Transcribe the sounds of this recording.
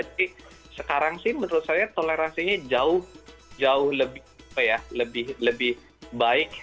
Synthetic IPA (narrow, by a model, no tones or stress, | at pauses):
ati | səkaɾaŋsɪhmənəɾʊt̪̚sajat̪oleɾansiɲad͡ʒaʊhd͡ʒaʊhləbɪ | apajaləbɪhləbɪh | baɪk̚